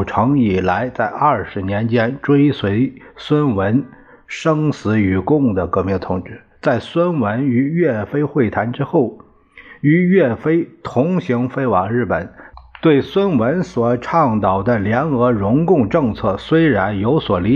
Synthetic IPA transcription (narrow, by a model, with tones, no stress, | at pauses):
ʈ͡ʂʰɤ˧˥ŋi˨˩la˧˥ɪt͡sa˥˧ɪɐ˞˥˩ʂɻ̩˧˥njɛ˧˥nt͡ɕjɛ˥nʈ͡ʂwe˥ɪswe˧˥ɪswə˥nwə˧˥n | ʂɤ˥ŋsɹ̩˧˥y˨˩kʊ˥˩ŋd̪ə˩kɤ˧˥mɛ˥˩t̪ʰʊ˧˥ŋʈ͡ʂɻ̩˥˩ | t͡sa˥˩ɪswə˥nwə˧˥ny˧˥ɥɛ˥˩fe˥ɪxwe˥˩ɪt̪ʰa˧˥nʈ͡ʂɻ̩˥xo˥˩ʊ | y˧˥ɥɛ˥˩fe˥ɪt̪ʰʊ˧˥ŋɕi˧˥ŋfe˥ɪwɑ˨˩ŋɻɻ̩˥˩pə˨˩˦nt̪we˥˩ɪswə˥nwə˧˥nswɔ˨˩ʈ͡ʂʰɑ˥˩ŋt̪ɑ˨˩ʊd̪ə˦ljɛ˧˥nɤ˧˥ɻʊ˧˥ŋkʊ˥˧ŋʈ͡ʂɤ˥˧ŋt͡sʰɤ˥˩swe˥ɪɻa˧˥njo˧˥ʊswɔ˨˩li˧˥